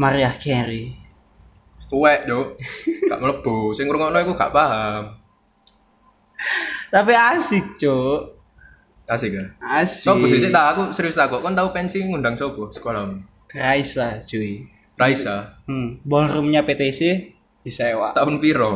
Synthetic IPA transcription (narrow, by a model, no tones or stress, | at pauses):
maɾiahkɛɾi | sə̥t̪uɛʔd͡ʒɔɡa̰ʔmələb̥ɔsɪŋuɾŋɔnɔikuɡa̰ʔpaɦam | t̪apiasɪk̚d͡ʒo | asɪkaassɔbɔsɪŋsɪt̪aːkusəɾiwst̪aɡɔʔkɔnt̪aupɛnsiŋundaŋsɔb̥ɔsə̥kolam | raisḁd͡ʒ̥ui | raisabɔlrumɲapet̪esi | d̥isaewa̰ʔt̪aʊnfiɾɔ